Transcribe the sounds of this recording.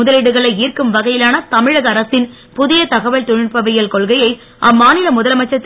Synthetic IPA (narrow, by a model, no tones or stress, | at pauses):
ʊðɐlɪɽɯɣɐɭɐɪiːrkɯmʋɐɣɐjɪlaːnɐt̪ɐmɪɻɐɣɐɾɐsɪn | pʊðɪjɐt̪ɐɣɐʋɐɭt̪ʊɻɪrpɐʋɪjɐlkɔɭɣɐjɐɪ | ʔɐmːaːnɪlɐmʊðɐlmɐt͡ʃːɐt̪ː